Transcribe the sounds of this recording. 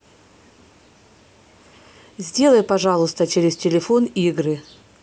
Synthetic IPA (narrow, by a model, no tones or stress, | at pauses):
zʲdʲe̞lˠəjpɐʐɑlˠʊst̪ət͡ɕɪɾʲɪstʲɪlʲɪfoniɡɾɨ